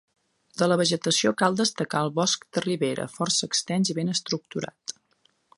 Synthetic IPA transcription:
d̪ələβəʒət̪əsiokalˠd̪əst̪əkaəlˠβɔsk̚d̪̥əriβeɾə̰fɔrsəːkst̪ɛnziβenəst̪ɾuk̚t̪uɾa̰t̪

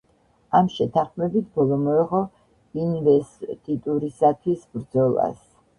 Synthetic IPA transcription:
amʃɛt̪ʰaχmɛbit̪ʰbɔlˠɔmɔɛʁɔ | invɛst̪ʼit̪ʼuɾisat̪ʰwisbɾd̪zɔlˠa̰s

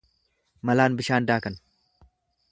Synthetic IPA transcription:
mɐlaːnbɪʃaːnd̪aːkɐn

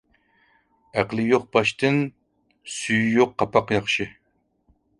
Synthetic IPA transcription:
æqlˠɨjoq̚bɑʃt̪ɨn | syjjoqːɑpʰɑqjɑχʃɨ

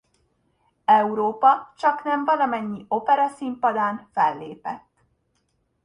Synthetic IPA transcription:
ɛuɾoːpɒt͡ʃɒknɛɱvɒlɒmɛɲːio̞pɛɾɒsimpɒd̪aːnfɛlːeːpɛt̪ː

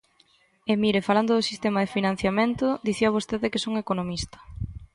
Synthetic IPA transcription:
emiɾefaland̪ʊðʊsist̪emɐðefinãn̟θjamẽnt̪ʊd̪iθiɐβost̪eðɪkesoŋekonomist̪ɐ̥

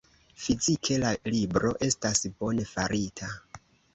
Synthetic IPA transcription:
fizikʰe̞lalibɾo̞ʔe̞stasbo̞ne̞faɾitʰa

